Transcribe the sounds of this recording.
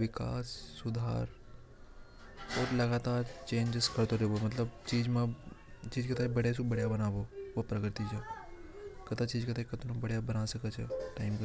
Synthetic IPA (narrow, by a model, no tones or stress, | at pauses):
ʋɪka̰ːsːʊd̪ʱaːɾ | oːɾlɐɡaːt̪aːɾt͡ʃẽːnd͡ʒɪskɐɾt̪oɾeʋomɐt̪ləbt͡ʃiːd͡ʒmã | t͡ʃiːd͡ʒkɐt̪ʰaibɐɽjesubɐɽjabɐnaːʋoʋopɾɐkɾt̪it͡ʃa | kɐt̪at͡ʃiːd͡ʒkɐt̪aikɐt̪ʰonũbɐɽ̤jabɐnaːsɐkət͡ʃʰeʈaːɪmkɐ